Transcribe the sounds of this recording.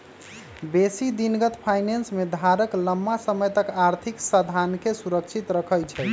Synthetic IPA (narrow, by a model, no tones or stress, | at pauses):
besid̪inɡət̪pʰajnensmed̪ʱaɾəkləmːasəməjt̪əkaɾt̪ʰiksəd̪ʱankesuɾəkt͡ʃʰit̪ɾəkʰəjt͡ʃʰɛ